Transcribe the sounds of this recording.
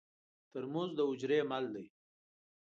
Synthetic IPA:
t̪əɾmuzd̪əʊd͡ʒɾemald̪i

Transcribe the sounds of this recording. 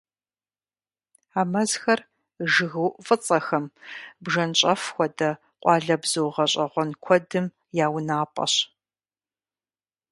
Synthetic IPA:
aːmɐzxɐr | ʒɨɣɨwfʼɨt͡sʼɐxɐmbʒɐnɕʼɐfxʷɔdɐ | qʷʼɑːɮɐbz̥ɨwʁɐɕʼɐʁʷɔnkʷʰɔdɨm | jaːwnaːpʼɐ̰ɕ

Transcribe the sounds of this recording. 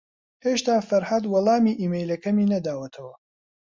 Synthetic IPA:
heːʃt̪aːfɐɾhɐd̪wɐlˠɑːmiːʔiːmejlɐkʰɐmiːnɐd̪aːwɐt̪ʰɐwɐ

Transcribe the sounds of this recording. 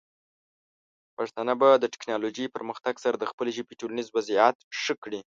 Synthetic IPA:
paʂt̪ɑnabad̪əʈɪ̥knɑloʒepəɾməxt̪aɡsaɾad̪əxpəleʒibeʈolanizwaziat̪ʂəkɽi

